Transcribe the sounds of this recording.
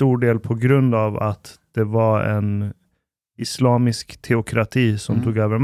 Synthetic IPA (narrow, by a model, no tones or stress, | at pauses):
t̪uːɖeːlpʰɔɡɾɵnd̪ava̰t̪d̪̥ɛvaɛn | ɪslɑːmɪskt̪ʰɛʊkʰɾat̪ʰiːsɔmt̪ʰuːɡøːvəɾm